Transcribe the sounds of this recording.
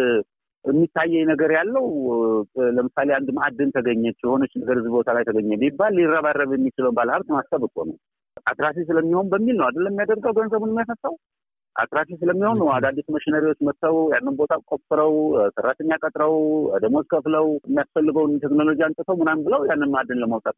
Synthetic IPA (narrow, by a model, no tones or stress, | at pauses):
ɨmːit̪ʰːajːɛjnəɡəɾjalːəw | ləmɨsaleand̪maad̪ɨnt̪ʰəɡəɲːɛt͡ʃːjɛho̞nət͡ʃːnəɡəɾɨzbbo̞t̪ʰalajt̪ʰəɡəɲːɛmibalːirːaβarːəβjɛmːit͡ʃɪləwnbaləhaβt̪mast̪ʰʼəβɨkʼo̰nə̰w | ʔa̰t̪ɾas̬is̬ɨləmːiho̞nbəmːilnəwad̪ɨlːəmːijad̪əɾɡəwɡənzəβɨnəmːjasəsːaw | ʔa̰t̪ɾasisɨləmːihonːəwad̪ad̪ːisuməʃinəɾiwo̞t͡ʃːmət̪ːəwjanːɨnbo̞t̪ʰakʼo̞fɨɾəwsərːat̪ʰəɲːakʼət̪ʼɾəwəd̪əmozkʰəfləwəmːijasfəlːɨɡəwnt̪ʰeknolo̞d͡ʒijant̪ʼɨt̪ʰəwmɨnambɨləwjanːɨnmaad̪ːɨnləmawt̪ʼat̪